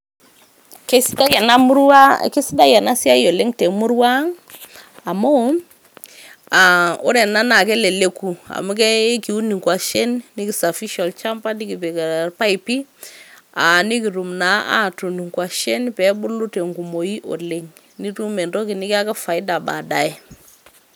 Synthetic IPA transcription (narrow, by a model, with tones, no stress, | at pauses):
ke˦sda˦˨na˦mu˦ɾwa˦˨ke˦si˦da˦ja˨na˦si˦a˦jo˨le˦ŋte˨mʊ˦ɾwaː˦ŋ | a˨mo˦ | a˨ʊ̰˦ɾɛ˨na˦na˨kɛ˦le˨le˦ku˨a̰˨mu˦k̬ɛ˦ki˨u˦ni˨ŋkwa˨ʃɛ˦nni˦ki˨sa˨fi˦ʃa˨lt͡ʃa˦mpa˦ni˦ki˨pe˨kpa˦i˨pi˦ | a˨ni˦ki˨tu˨mna˨˦ʔa̰˦tu˨ni˨ŋkwa˨ʃɛ˦npɛ˨˦bʊ˦lu˦te˨ŋɡu˨mo˨i˦ʔo̰˨le˦ŋ | ni˦tu˦mɛ˨ntɔ˦kɪ˨nɪ˦ki˦a˦ka˦fa˨i˦da˨ba̰˨da˨ɛ˦